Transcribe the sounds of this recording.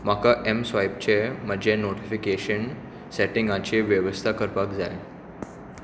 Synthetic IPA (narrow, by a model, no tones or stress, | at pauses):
m̤akaʔemsʋajpt͡ɕem̤əd͡ʑẽnoʈifikeɕən | seʈiŋɡãt͡ɕeʋjəʋəst̪ʰakəɾpakd͡za̰j